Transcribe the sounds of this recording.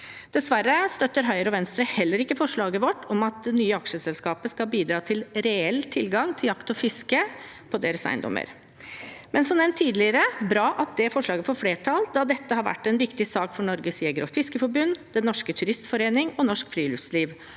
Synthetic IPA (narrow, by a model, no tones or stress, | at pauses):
d̪̥ɛsʋæɾːəst̪œt̪ːəɾɦœʏəɾɔʋɛnst̪ɾəhɛlːəɾɪkːəfɔʂɭɑːɡəʋɔʈːɔmɑt̪̚d̪ɛnyːəɑkʂəsɛlskɑːpəskɑbiːd̪ɾɑːt̪ʰɪlɾɛɛlːt̪ʰɪlɡɑŋt̪ʰɪljɑkt̪ɔfɪskə | pʰɔd̪eːɾəsæ̰ɪnd̪ɔ̰mːə̰ɾ | mɛnsɔmd̪ɛnt̪ʰiːd̪lɪəɾəbɾɑːʔɑt̪̚d̪ɛæfɔʂɭɑːɡəfɔɾfleːʈʰɑld̪ɑd̪ɛt̪ːəhɑɾʋæ̰ʈːɛnʋɪkt̪ɪsɑːkfɔɳɔɾɡəsjɛɡɾɔfɪskəfɔɾbʉnːd̪ɛnɔʂkət̪ʰʉɾɪst̪fɔɾeːnɪŋɔnɔʂkfɾiːlʏfsliːʋ